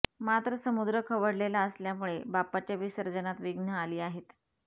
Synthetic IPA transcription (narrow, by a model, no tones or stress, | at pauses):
mat̪ɾəsəmud̪ɾəkʰəʋəɽlelaəsljamuɭebapat͡ɕjaʋisəɾd͡ʑənat̪ʋiɡnəaliːaɦet̪